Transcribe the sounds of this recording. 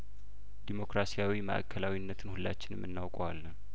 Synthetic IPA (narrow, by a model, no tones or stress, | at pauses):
d̪̥imo̞kɾasijawimə̰ʔa̰kʰːəlawinːət̪ʰɨnhulːa̰t͡ʃːɪnɨmːɨnːawkʼowalːən